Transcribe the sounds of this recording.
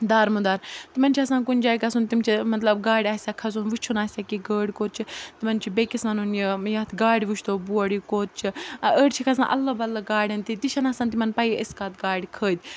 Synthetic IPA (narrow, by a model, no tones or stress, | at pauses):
d̪aːɾmud̪aːɾt̪imɐnt͡ʃʰiɐsãːkunʲd͡ʒaːkɐsunt̪imt͡ʃʰimɐt̪lɐb̚ɡaːɽʲaːsʲaːkʰɐsunʋut͡ʃʰunaːsʲaːkiɡəːɽʲkoːt̪̚t͡ʃʰit̪imɐnt͡ʃʰibekʲismɐnunjijɐt̪ʰɡaːɽiʋut͡ʃʰt̪oːbuɐɽikoːt̪̚t͡ʃʰiəːɽt͡ʃʰikʰɐsã̰ːʔɐlːɐbɐlːɐɡaːɽʲɐnt̪it̪iʃɐnasaːnt̪̬imɐnpɐjəskat̪ɡaːɽʲikʰəːd̪ʲ